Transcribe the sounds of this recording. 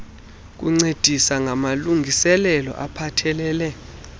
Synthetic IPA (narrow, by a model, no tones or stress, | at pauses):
k̬uŋ͡ǀed̥ʱisaŋʱamaluŋʱisɛlɛlɔ̰ʔapʰatʰɛlɛːlɛ